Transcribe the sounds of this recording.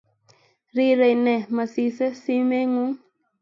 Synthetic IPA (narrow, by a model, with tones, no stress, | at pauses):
ɾi˦ɾe˨nɛ˨ma˨si˦sə˦si˦me˦ŋu˦ŋ